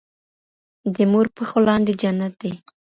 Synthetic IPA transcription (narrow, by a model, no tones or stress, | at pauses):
d̪əmoɾpəxolɑnd̪ed͡ʒanat̪̚d̪e